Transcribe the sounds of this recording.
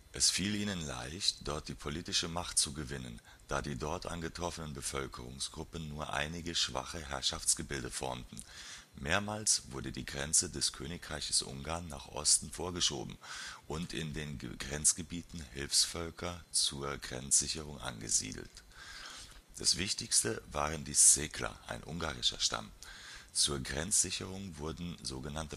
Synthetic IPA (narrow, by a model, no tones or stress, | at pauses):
ʔɛsfiːliːnənla̰ɪçtd̥ɔɐt̚d̥iːpʰoliːtɪʃəmaχtt͡suɡəvɪnən | d̥aːdiːdɔɐtʔa̰nɡətʁ̥ɔfənənbəfœlkʰəʁʊŋsɡ̥ʁʊpənnːuːɐʔa̰ɪnɪɡəʃv̥a̰χəɦɛɐʃaft͡sɡ̥əbɪldəfɔ̰ɐmtn̩ | meːɐmaːlsv̥ʊɐdədiːɡʁɛnt͡sədɛskʰøːnɪkʁ̥aɪçə̥sʔʊ̰ŋɡaːɐnːaːχʔɔ̰stn̩foːɐɡəʃo̰ːbm̩ʔʊntʰɪ̰ndeːnɡʁɛnt͡sɡ̥əbiːtn̩hɪlfsfœlkʰɐt͡suːɐɡʁɛ̰nt͡sz̥ɪçəʁ̞ʊŋʔa̰nɡə̰zḭːdl̩t | d̥a̰sv̥ɪçtɪçstəvaːʁəndiːsz̥ekʰlɐ̰ʔa̰ɪnʔʊŋɡaːʁɪʃɐ̰ʃta̰mt͡suːɐɡʁɛnt͡sz̥ɪçəʁ̞ʊŋvʊɐdn̩zoːɡənantə